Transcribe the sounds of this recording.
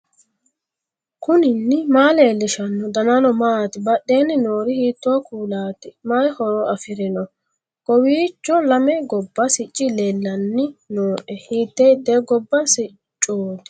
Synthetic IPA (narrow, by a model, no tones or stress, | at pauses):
kʊnɪnːɪmaːleːlːɪʃɐnːɔd̪ɐnɐnɔmaːt̪ɪbɐɗːeːnɪnoːɾɪhiːt̪ːɔwakuːlaːt̪ɪmajhɔɾɔʔɐfɪɾɪnɔ | ɡ̥ɔwiːt͡ʃːɔlɐmɛɡɔbːɐsɪt͡ʃʼːɪleːlːɐnːɪnoːʔɛhiːt̪ːed̪eːɡɔbːɐsɪ | t͡ʃʼːoːt̪ɪ̥